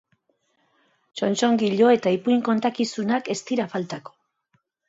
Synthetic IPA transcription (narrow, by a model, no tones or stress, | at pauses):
t͡ʃo̞nt͡ʃo̞ŋɡiʎo̞e̞t̪aipujŋko̞nt̪akisunake̞st̪iɾafalt̪ako̥